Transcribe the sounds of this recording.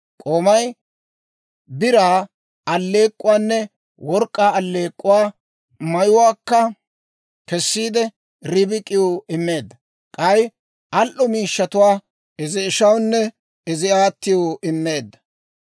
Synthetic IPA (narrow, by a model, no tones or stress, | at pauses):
kʼoːmɐj | bɪɾaː | ɐlːe̞ːkʼːʊwaːnːɛ | wɔɾkʼːaːɐlːe̞ːkʼːʊwaː | mɐjʊwaːkːɐ | kɛsːiːd̪ɛ | ɾɪbɪkʼːɪjoɪmːe̞ːd̪ːɐ | kʼɐj | ʔɐlʔɔmiːʃːɐt̪ʊwaː | ɪzɪːʃɐwnːɛ | ɪzɪaːt̪ːɪjoʔɪmːe̞ːd̪ːɐ̥